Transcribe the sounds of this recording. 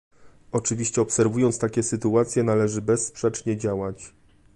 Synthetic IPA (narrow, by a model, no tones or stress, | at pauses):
ɔt͡ʂɘvʲiɕt͡ɕɛɔpsɛɾvujɔnt̪st̪akʲɛsɘt̪uat̪sʲjɛnalɛʐɘbɛsːpʂɛt͡ʂɲɛd͡ʑawat͡ɕ